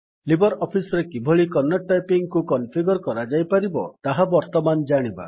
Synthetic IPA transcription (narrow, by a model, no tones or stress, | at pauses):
libɔɾɔpʰisɔɾekibʱɔɭikɔnːɔʈːajpiŋɡkukɔnpʰiɡɔɾɔkɔɾad͡ʒajpaɾibɔ̰t̪aɦabɔɾt̪ɔmand͡ʒaɽ̃iba̰